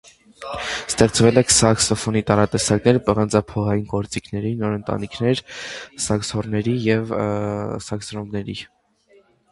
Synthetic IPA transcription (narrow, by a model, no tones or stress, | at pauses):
st̪ɛχt͡svɛlɛkʰsɑksɔfɔnit̪ɑɾɑt̪ɛsɑknɛɾpəʁənd͡zɑpʰɔʁɑjinkɔɾt͡sikʰnɛɾinɔɾənt̪ɑ̰nikʰnɛɾsɑksɔrnɛɾijɛv | sɑksɾɔmbnɛɾḭ